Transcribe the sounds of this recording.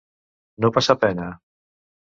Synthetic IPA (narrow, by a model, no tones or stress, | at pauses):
nopasapɛna